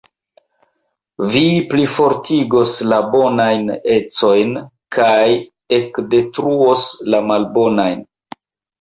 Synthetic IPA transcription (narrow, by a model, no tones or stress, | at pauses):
viplifo̞ɾtʰiɡo̞slabo̞najne̞t͡so̞jn | kʰaj | e̞kde̞tɾuoslamalbo̞najn